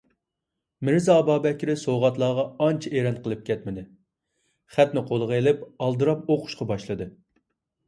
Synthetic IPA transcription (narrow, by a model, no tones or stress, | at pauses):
mɪɾzɑːbɑːbɛkʲɪɾɪsowʁɑt̪lˠɑːʁɑɑnt͡ʃʰɛʔeɾɑnqʰəlˠɨp̚kʲʰɛt̪mɪd̪ɪ | χæt̪nɪqʰolˠəʁelɪpɑlˠd̪ɨɾɑpoqʰʊ̥ʃqɑbɑʃlˠɨd̪ɨ